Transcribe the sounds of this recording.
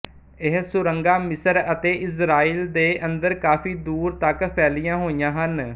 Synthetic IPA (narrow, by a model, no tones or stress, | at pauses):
ɪɦsʊɾəŋɡaːmɪsəɾət̪eːʔɪsɾaːiːld̪eːʔənd̪əɾkaːfiːd̪uːɾt̪əkpʰɛːlijãːɦoːijãːɦən